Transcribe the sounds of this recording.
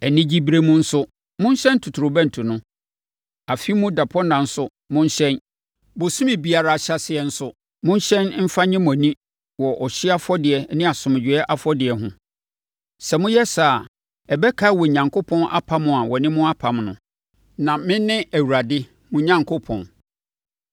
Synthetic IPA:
ɛ˨nɪ̃˦d͡ʑi˦bɾe˦mũ˦n̩˦sʊ˦ | mʊ̃˦ɲ˦ɕɛ̃˦n˦tʰu˨tʰu˨ɾʊ˨bæ̃˦n̩˨tʰu˨nʊ̃˦ | a˨fi˦mʊ̃˦da˨pʰɔ˦nã˨n̩˦sʊ˦ | mʊ̃˦ɲ˦ɕɛ̃˦n | bʊ˨sʊ̃˦mɪ̃˨bi˨a˨ɾa˨ɕa˦sɪ˨ɛ˨n̩˦sʊ˦ | mʊ̃˦ɲ˦ɕɛ̃˦n˦m̩˦fa˦ɲɪ̃˦m̃˨a˨nĩ˦ | wɔ˨ʔɔ˨ɕɪ˦a˦fɔ˦dɪ˨ɛ˨˦nɪ̃˦a˨sʊ̃˨m˨d͡ʑᶣɪ˨ɛ˦ʔa˦fɔ˦dɪ˨ɛ˨˦ɦʊ̃˦ | sɛ˨mʊ̃˦jɛ˦sa˨ | ɛ˨bɛ˦kʰa˦wɔ˨ɲã˨ŋko˦pʰɔ̃˦nʔa̰˦pʰa˦mʊ̃˨a˨wɔ˨nɪ̃˦mʊ̃˦a˦pʰa˨mnʊ̰̃˨ | nã˨mɪ̃˦nːɪ̃˦æ˨wu˨ɾa˨dɪ˦ | mʊ̃˨ɲã˨˦ŋkʰo˦pʰɔ̃˨n

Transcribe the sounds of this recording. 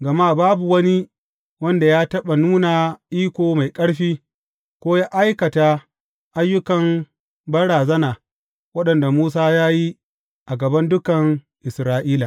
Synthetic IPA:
ɡɐ˨maː˦baː˦bu˨wɐ˦ni˦ | wɐ˦nda˨jaː˦tɐ˦ɓa˨nuː˦naː˨ʔiː˦kʷoː˨ma˨jkʼɐ˦ɽɸiː˦ | kʷoː˦jaː˦ʔa˦jkɐ˨ta˨ | ʔa˦jːʊ˦kɐ˨m | bɐ˦ɽaː˨zɐ˦naː˨ | wɐ˦ɗɐ˨nda˨muː˦s̬aː˦jaː˦ji˦ | ʔa˨ɡɐ˨bɐ˦ndʊ˦kɐ˨ŋ | ʔɪ˨sɾaː˦ʔiː˦la˨

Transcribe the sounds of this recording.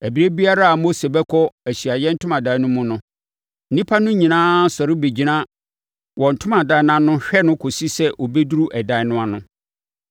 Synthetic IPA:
æ˨bi˨ɾe˦bi˦a˦ɾa˦a˨mo˦se˨bɛ˦kʰɔ˦æ˨ɕi˨a˨jɛ˦n̩˦tʰʊ̃˦mã˨dã˨˦nʊ̃˦mũ˨nʊ̃˦ | n̩˦nĩ˦pʰa˦nʊ̃˦ɲĩ˨nãː˦sɔ˨ɾɪ˦be˨d͡ʑi˨nã˦ | wɔ̃˨n̩˨tʰʊ̃˦mã˨da˨˦n˨ã˦nʊ̃˦ɕᶣɛ˦nʊ̃˦kʰo˨si˦sɛ˦ʔo˨be˦du˦ɾu˦ʔɛ˨dã˨ɪ˦nʊ̃˦a˨nʊ̃˦

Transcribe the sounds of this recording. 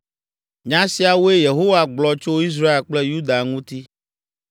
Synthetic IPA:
ɲã˦si˨˦a˨wo˦e˦je˨ɦo˦wa˨ɡ͡blɔ˦t͡ʃo˦i˦s̬ɾa˦e˨lk͡ple˦ju˦d̪a˨ŋũ˦t̪i˦

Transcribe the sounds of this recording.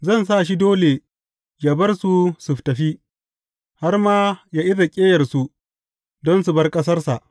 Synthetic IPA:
zɐ˦˨nsa˦˨ʃi˦doː˦le˨ | jaː˨bɐ˦rsu˨sʊ˨ɸtɐ˨ɸi˦ | ha˦rmaː˦jaː˦ʔɪ˦za˨kʲʼeː˦jɐ˨rsu˨ | dɔ˦nsu˨bɐ˦rkʼɐ˦s̬ɐ˦rsa˨ʔ

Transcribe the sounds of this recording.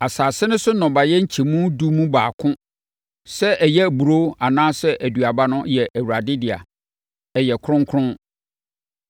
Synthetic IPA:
a˨saː˨sɪ˦nʊ̃˦sʊ˦nʊ̃˨ba˨jɛ˦ɲ̩˦t͡ɕʰi˨mũ˦du˦mũ˦baː˨kʰʊ̃˦ | sɛ˦ʔɛ˨jɛ˦˨bu˨ɾo˦a˨nãː˦sɛ˦ʔæ˨dɥa˨ba˦nʊ̃˦jɛ˨ʔæ˨wu˨ɾa˨dɪ˦dɪ˨a̰˨ | ɛ˨jɛ˨kʰʊ̃˦ŋkʰɾʊ̃˦

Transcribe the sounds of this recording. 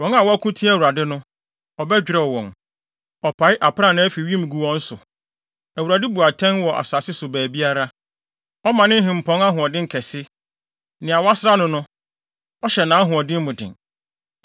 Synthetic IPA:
wɔ̃˨˦ŋa˨wɔ˦a˦kʰũ˦tʰi˦æ˨wu˨ɾa˨dɪ˦nʊ̃˦ | ɔ˨bɛ˦d͡ʑᶣɪ˨ɾɛ˦˨wɔ̃˨n | ɔ˨pʰa˨˦ɪ˦ʔa˨pʰɾa˦˨nã˨˦æ˦fi˨ɥĩ˦m˨ɡu˨wɔ̃˦n̩˦sʊ˨ | æ˨u˨a˨dɪ˦bu˨a˨tʰɛ̃˦n˦wɔ˨ʔa̰˨sʊ˨a˨sɪ˦sʊ˨bæː˨bi˦a˦ɾa˦ | ɔ˦mã˨nɪ̃˦ɦɪ̃˨m̩˨pʰɔ̃˦ŋa˦ɦʊ̃˨ɔ˨dɪ̃˦ŋ̩˨kʰɛ˨sɪ˦ | nɪ̃˨a˨wɔ˦a˦sɪ˦a˦nʊ̃˦nʊ̃˦ | ɔ˦ɕɛ˨nãː˨˦ɦʊ̃˨ɔ˨dɪ̃˦m˦mʊ̃˨dɪ̰̃˨n

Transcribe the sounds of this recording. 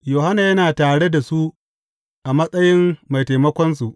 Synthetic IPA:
joː˨ha˦na˨jɐ˦naː˨taː˨ɽe˦da˨su˦ | ʔa˨mɐ˦sʼɐ˦jɪ˦mːa˨jta˨jmɐ˦kʷɔ˦ns̬u˨ʔ

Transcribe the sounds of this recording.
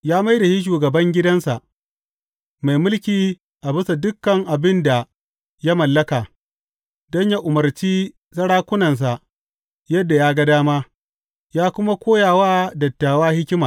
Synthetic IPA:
jaː˦ma˦jda˨ʃi˦ʃ̬uː˨ɡɐ˨bɐ˦ŋɡʲɪ˦dɐ˦nsa˨ʔ | ma˨jmʊ˦lkʲiː˨ | ʔa˨bɪ˦sa˨dʊ˦kːɐ˨ŋʔa˨bɪ˦nda˨ | ja˦mɐ˨lːɐ˦kaː˨ | dɔ˦ɲja˦ʔʊ˨mɐ˨rt͡ʃiː˦ | sɐ˦ɽaː˦kʷʊ˦nɐ˨ns̬a˨ | jɐ˦dːa˨jaː˦ɡɐ˦daː˦ma˦ | jaː˦kʷʊ˦ma˦kʷoː˦jaː˨waː˦dɐ˨tːaː˨waː˦hɪ˦kʲɪ˦maː˨

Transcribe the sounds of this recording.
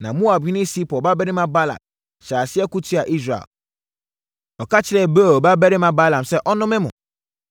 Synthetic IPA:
nã˨mũ˦a˨bhɪ̃˦nɪ̃˦si˦pʰɔ˨ba˦bɛ˦ɾɪ˦mã˦ba˦la̰˨t̚ | ɕaː˨sɪ˦ɛ˦ku˦tʰu˦a˨ʔi˦s̬ɾa̰˨ | ɔ˨kʰa˦t͡ɕʰɪ˨ɾɛ˨be˦˨ba˦bɛ˦ɾɪ˦mã˦ba˦lã˨msɛ˦ʔɔ˦nʊ̃˦mɪ̃˦mʊ̰̃˨

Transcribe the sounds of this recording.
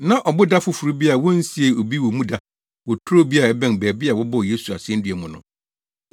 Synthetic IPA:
nã˨ʔɔ˨bʊ˦da˦fʊ˨fu˨ɾu˦bi˦a˨wɔ̃˦n̩˦si˦e˦o˨bi˦wɔ˨mũ˦da˦ | wɔ˨tʰʊ˦ɾo˦bi˦a˦˨ɛ˦bɛ̃˦n˨bɛ˨bɪ˦a˨wɔ˦bɔ˦˨je˦su˨a̰˨sɪ˦ɛ̃˦n˦dɥæ˨mʊ̃˨nʊ̰̃˨

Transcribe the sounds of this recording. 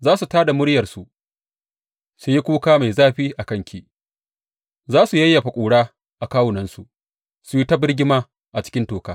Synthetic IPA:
zaː˦su˨taː˦da˨mʊ˦ɽjɐ˨rsu˨ʔ | su˨ji˦kʷuː˦kaː˦ma˨zaː˦ɸiː˦ʔa˨kɐ˦ŋkʲʰiː˦ | zaː˦su˨jɐ˦jːa˨ɸa˨kʷʼuː˨ɽaː˦ | ʔa˨kaː˦wʊ˨nɐ˦nsu˨ʔ | su˨ji˦tɐ˦bɪ˦rɡʲɪ˦maː˦ | ʔa˨t͡ʃɪ̥˦kʲɪ˦ntoː˨kaː˦

